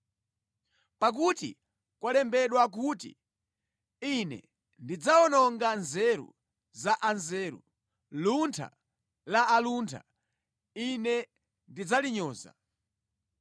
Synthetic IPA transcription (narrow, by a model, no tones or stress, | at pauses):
pak̬utḭ | kwalɛmbɛɗwak̬uːtḭ | inɛ̰ | ndid͡zaɔnɔŋɡanzɛɾṵ | zaʔanzɛːɾṵ | luntʰa̰ | laːluntʰa̰ | inɛ | ndid͡zaliɲɔːza̰